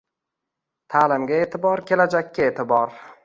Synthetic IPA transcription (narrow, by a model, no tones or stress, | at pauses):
t̪ʰaːlɪmɡʲae̞t̪ʰɪbɒɾkʲʰe̞lad͡ʒakʲːaeːt̪ʰɪbɒɾ